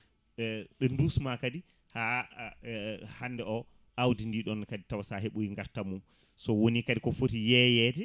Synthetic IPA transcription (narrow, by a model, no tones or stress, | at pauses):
ɛɓɛndusmakadi | ha | hanːdɛɔ | ʔawdindiɗɔnkaditawasaɦeɓujiŋɡaɾtamum | sɔwonikadikɔfotijɛjɛdɛ